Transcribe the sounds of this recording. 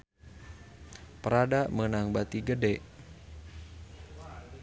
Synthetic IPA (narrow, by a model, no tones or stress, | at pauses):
pəɾadaʔmənaŋbat̪iɡədɛʔ